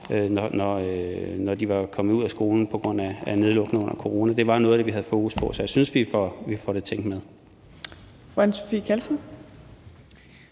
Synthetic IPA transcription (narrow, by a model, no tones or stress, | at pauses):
ønɒnɒønɒd̥iʋɑ̈kʰɒ̽mðˠuð̰ˠæsɡ̥o̝ːln̩pʰɒ̽ɡ̥ʁɔ̽n̰ææne̝ð̞ˠlɔ̽ɡ̥nəɔ̽n̰ɐkʰo̝ʁo̝ːnæd̥e̝ʋɑ̈nɔ̽ːðˠd̥eʋiɦæð̞̩ˠfo̝ːɡ̥uspʰɒ̽sɒ̽jasynsʋifɒʋifɒɾ̥e̝t͡sʰeŋ̰ɡ̥með̞ˠ | fʁanso̥fḭːkʰælsən̩